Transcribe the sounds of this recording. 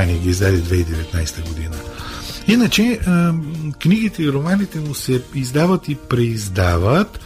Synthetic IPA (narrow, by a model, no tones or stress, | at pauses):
aniɛɡiizd̪ad̪id̪vɛid̪ɛvɛt̪najst̪əɡod̪inəinət͡ʃɛ | kniɡit̪ɛiɾomanit̪ɛmusɛizd̪avət̪ipɾɛizd̪avət̪